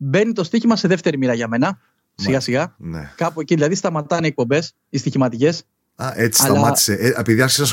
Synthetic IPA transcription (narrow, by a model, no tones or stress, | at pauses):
be̞nit̪o̞st̪içimɐse̞ðe̞ft̪e̞ɾimiɾɐʝɐme̞nɐ | siɣɐsiɣɐnḛkɐpueciðilɐðist̪ɐmɐt̪ɐniːk̚po̞mbe̞s | ist̪içimɐt̪ice̞s | ɐʔet͡sissɐlmɐt̪i̥seepiðiɐsksɐs